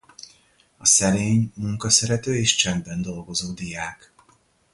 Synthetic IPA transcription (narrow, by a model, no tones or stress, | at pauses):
ɒsɛɾeːɲmuŋkɒsɛɾɛt̪øːeːʃt͡ʃɛmbɛnd̪o̞lɡo̞zoːd̪ijaːk